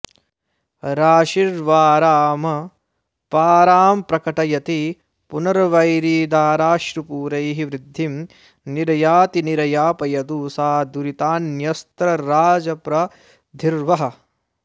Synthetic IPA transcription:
ɾaːʃiɾʋaːɾaːmɐ | paːɾaːmpɾɐkɐʈɐjɐt̪i | punɐɾɐʋɐjɾiːd̪aːɾaːʃɾupuːɾɐjɦiʋɾɪd̪ʱːim | niɾɐjaːt̪iniɾɐjaːpɐjɐd̪uːsaːd̪uɾit̪aːnjɐst̪ɾɐɾaːd͡ʒɐpɾɐ | d̪ʱiɾʋɐɦɐ̆

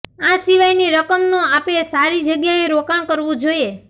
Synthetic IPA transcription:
ãsiʋajniɾəkəmnũapesaɾid͡ʒəɡjaeɾokaɳkəɾʋũd͡ʒoie

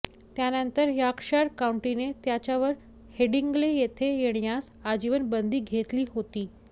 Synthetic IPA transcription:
t̪janənt̪əɾjakʂaɾkauɳʈinet̪jat͡ɕaʋəɾ | heɖiŋɡlejet̪ʰejeɽ̃jasad͡ʑiʋənbənd̪ʱiːɡʱet̪liːɦot̪iː

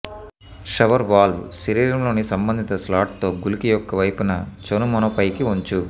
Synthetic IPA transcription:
ʂɐʋɐɾʋaːlʋusiɾiːɾɐmlo̞ːnisɐmbɐnd̪ʱit̪ɐslaːʈ̚t̪o̞ːɡulikijɔkːɐʋɐjpunɐt͡ʃonumɐnopɐjkiuɲt͡ʃu

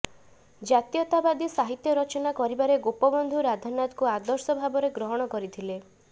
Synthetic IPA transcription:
d͡ʒat̪ijɔt̪abad̪isaɦit̪jɔɾɔt͡ʃɔnakɔɾibaɾeɡopɔbɔnd̪ʱuɾad̪ʱɔnat̪kuad̪ɔɾsɔbʱabɔɾeɡɾɔɦɔɽ̃ɔkɔɾit̪ʰile

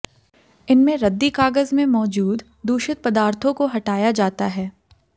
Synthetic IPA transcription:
ɪnmẽɾɐd̪ːikaːɡəzmẽmɔːd͡ʒuːd̪ | d̪uːʃɪt̪̚pɐd̪aːɾt̪ʰõkoɦɐʈaːjad͡ʒaːt̪aɦɛː

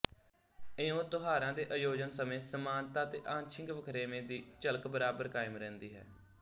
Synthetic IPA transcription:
ɪõːt̪ʊɦaːɾãːd̪eːʔəjoːd͡ʒənsəmẽːsəmaːnt̪ãːt̪eːʔãːnt͡ʃʰɪ̃ŋɡʋəkʰɾeːmẽːd̪iːt͡ʃələkbəɾaːbəɾkaːɪmɾɛ̃ːnd̪iːɦɛ̰ː

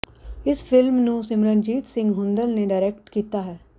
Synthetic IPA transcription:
ɪspʰɪlmnũsɪmɾənd͡ʒiːt̪sɪ̃ŋɡɦʊ̃nd̪əlneɖaɪɾɛkʈkiːt̪aɦɛː

